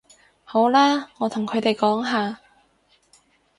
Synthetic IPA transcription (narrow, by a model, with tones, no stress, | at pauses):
ho˨˥wlaː˥ŋɔː˨˧t̪ʰʊ˨˩ŋkʰɵ˨˧ɥt̪e˨jkɔː˨˥ŋɦaː˨˧